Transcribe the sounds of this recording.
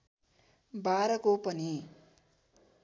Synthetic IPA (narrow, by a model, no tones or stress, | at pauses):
baɾʌkopʌni